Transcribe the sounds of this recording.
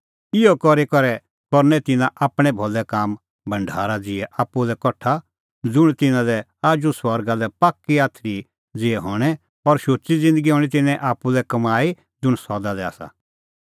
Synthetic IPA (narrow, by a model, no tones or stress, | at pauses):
ɪɔkɔɾikɔɾɛ | kɔɾnɛt̪ɪnãʔaːpɽ̃ɛ̃bʱɔlɛkaːm | bʱɐ̃ɳɖʱa̰ːɾad͡zɪɛʔaːpːulɛkɔʈʰːa | d͡zʊɽ̃t̪ɪnãlɛ | aːd͡ʒusʋɔɾɡalɛpaːkːiaːt̪ʰɾi | d͡zɪɛɦɔːɽ̃ɛ | ɔɾʃoːt͡ʃid͡zɪ̃nd̪əɡiɦɔːɽ̃it̪ɪnɛ̃ʔaːpːulɛkɐmaːi | d͡zʊɽ̃sɔd̪alɛa̰ːsa̰